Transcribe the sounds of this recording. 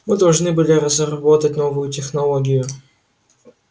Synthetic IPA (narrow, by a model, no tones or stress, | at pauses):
mɨd̪ɐlˠʐnɨbɨlʲɪɾəzɾɐbot̪ət̚ʲnovʊjʊtʲɪxnɐlˠoɡʲɪjʊ